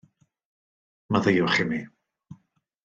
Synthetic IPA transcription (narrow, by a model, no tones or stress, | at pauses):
maðejʊχɪmi